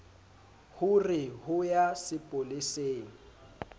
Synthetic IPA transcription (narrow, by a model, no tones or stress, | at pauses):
hʊrɪhʊjasɪpʼʊlɪseːŋ̩